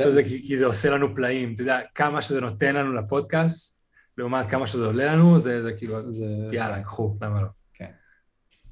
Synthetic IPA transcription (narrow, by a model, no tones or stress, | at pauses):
zekikizeo̞se̞lanuplaimt̪̬oid̪eakamaʃezeno̞t̪e̞nlanulapo̞d̪̚kastt̪̚ | leumat̪̚kamaʃezeo̞le̞lanuzezekiːluaijalakχulamalo̞ | ken